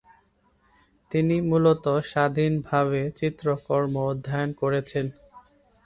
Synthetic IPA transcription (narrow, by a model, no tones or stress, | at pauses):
t̪inimulot̪oʃad̪ʱinbʱaβet͡ɕit̪ːɾokɔɾmood̪ʱːajonkoɾet͡ɕʰen